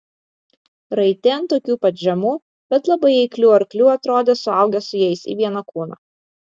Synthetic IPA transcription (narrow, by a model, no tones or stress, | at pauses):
ɾɐɪt̪ʲeːnt̪oːkʲuːpɐt̪ʒʲɛmuː | b̥ʲɛt̪lˠɐbɐɪɛɪklʲuːɐɾklʲuːɐt̪ɾoːd̪ʲeːsʊɐˑʊɡʲɛsʊjɛɪsḭːʋʲiɛnɐkuːnɑ̰